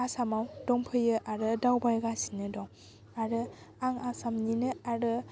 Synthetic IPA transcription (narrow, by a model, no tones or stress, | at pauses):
asamawdɔŋpʰɯjɯʔaɾɯdawbaɾɡasi̥nɯdɔŋ | aɾɯaŋasamninɯaɾɯ